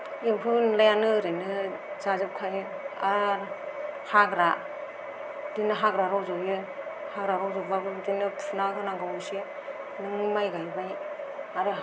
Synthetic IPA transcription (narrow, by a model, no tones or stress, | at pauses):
impʰunlajanɯɾɯnɯzazɯp̚kʰaj | a | haɡɾa | d̥inɯɦaɡɾaɾawzajɯ | haɡɾaɾawzɔbabɯdinɯpʰunakʰɯnaɡawsi | nɯŋmajɡajbaj | aɾɯ